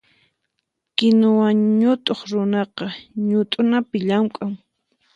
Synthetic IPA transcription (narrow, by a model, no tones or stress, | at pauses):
kɪnʊwaŋɲʊt̪ʼoχɾʊnɑqɑɲʊt̪ʼʊnapɪʎamkʼaŋ